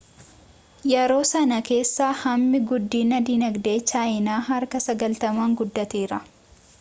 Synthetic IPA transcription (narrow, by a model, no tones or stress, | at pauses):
jɛɾo̞ːsɐnɐke̞ːsːaːhɐmːɪɡʊd̪ːiːnɐd̪iːnɐɡd̪e̞ːt͡ʃːaːɪnaːɦɐɾkɐsɐɡɐlt̪ɐmaːŋɡʊd̪ːɐt̪eːɾɐ